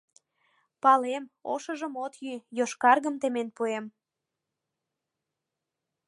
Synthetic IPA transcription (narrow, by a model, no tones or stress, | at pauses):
pɑlemoʃə̆ʒəmot̪jyjoʃkɑrɣəmt̪emenpuem